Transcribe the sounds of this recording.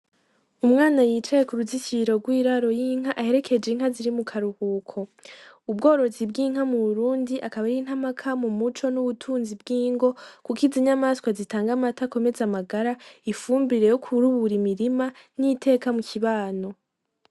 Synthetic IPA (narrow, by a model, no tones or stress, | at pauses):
umŋaːnajiːt͡ʃajekuɾuzit͡ʃiɾo̞ɡwiːɾaɾo̞jiŋ̥ɦaʔahe̞ɾe̞kʰe̞d͡ʒeŋɦaziɾimukʰaɾuhuːkʰo̞ | ub̚ɡo̞ːɾo̞zib̚ɡiːŋ̥hamuβuɾuːndiʔakaβajiːn̥ɦamakʰamumut͡ʃo̞nuβutʰuːnzibɡiːŋɡo̞kukiziɲamaskwazitaːŋɡamatako̞me̞zamaɡaɾaifuːmbiɾe̞jokʰuɾuβuɾimiɾimanitʰe̞ːkamukʰiβaːno̞